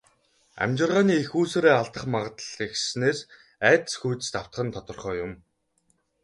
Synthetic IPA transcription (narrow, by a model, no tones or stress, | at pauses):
æ̰mt͡ɕɪ̆rʁaːniːexuːseːɾeːaɮt̪ə̆χmaʁə̆t̪əɮixsneːs | æːt̪̆sxujt̪ɘ̆st̪aw̥t̪χə̆nt̪ʰɔt̪ɞ̆rχœːjʊm